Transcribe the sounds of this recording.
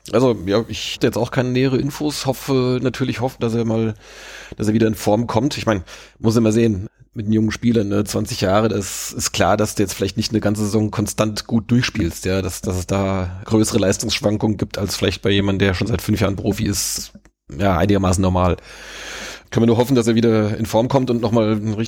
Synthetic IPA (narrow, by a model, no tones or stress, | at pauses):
ʔalzojaːʔɪçhtəjɛt͡staʊxkʰaɪnəneːəʁ̞əʔɪnfoːshɔfənatʰyːɐlɪçhɔfn̩d̥aseːɐmaːld̥aseːɐviːdɐɪnfɔɐmkʰɔmtɪçmaɪnəmʊsɪmaːzeːən | mɪtd̥enjʊŋənʃpiːlɐnːət͡sv̥ant͡sɪçjaːʁədaɪsɪstkʰl̥a̰ːɐdasd̥uːjɛt͡stfɪlaɪçtnɪçtnəɡant͡səzezɔŋkʰɔnstantɡ̥uːt̚d̥ʊɐçʃpiːlstjaːdasd̥as̬ɛsd̥aːɡ̥ʁøːsəʁəlaɪstʊŋsʃv̥aŋkʊŋənɡiːp̚tʰalsfɪlaɪçt̚b̥aɪjeːmandn̩d̥eːɐʃoːnzaɪtfʏnfjaːʁənpʁ̥oːfiɪst | jaːʔa̰ɪnɪɡɐmaːsn̩nɔɐmaːl | kʰœnvɪɐnuːɐɦɔfn̩d̥as̬eːɐviːdɐɪnfɔɐmkʰɔmtʊntnɔχmaːlʁɪ